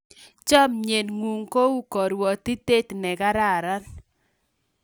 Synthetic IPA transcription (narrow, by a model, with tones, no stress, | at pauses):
t͡ʃɔ˦mɲe˨nŋwu˨ŋko˦u˦kɔ˨ɾwɔ˨t̪i˦te˦t̪nɛ˨ka˦ɾa˦˨ɾa˦n